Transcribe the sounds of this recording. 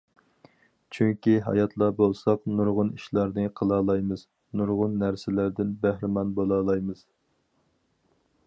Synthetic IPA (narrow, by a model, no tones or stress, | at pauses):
t͡ʃʰyŋkʲiɦɑ̰jɑt̪ʰlˠɑbolˠsɑqnuɾʁʊniʃlˠɑɾnɨqʰəlˠɑːlˠɑjmɨz̥ | nuɾʁʊnːæɾsɪlæɾd̪ɪnbæhɾɪmɑnbolˠɑːlˠɑjmɨz̥